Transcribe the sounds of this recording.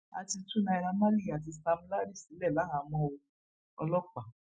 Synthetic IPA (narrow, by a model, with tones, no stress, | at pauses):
a̰˧ti˧tu˦˨nã˧i˧ɾa˧ma˦li˦˨a˨t̬i˧sa˧m̩ũ˦la˦ɾi˦˨si˨˦lɛ˦˨la˨˦ɦã˨˧˦mɔ̃˦o˧ | ɔ̰˧lɔ˦k͡pa˨